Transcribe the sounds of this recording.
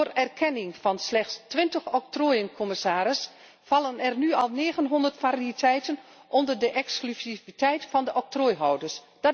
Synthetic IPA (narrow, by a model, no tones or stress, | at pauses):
rɛrkʰɛnɪŋfɑnslɛxstʋɪntəxɔk̚troːjənkʰɔmɪsaːɾɪs | fɑlˠənɛrnyɑlˠneːɣənɦɔndərtfariitʰɛjtənʔɔndərdəʔɛksklysivitɛjtfɑndəʔɔk̚troːjɦɔwdərs | d̥ɔ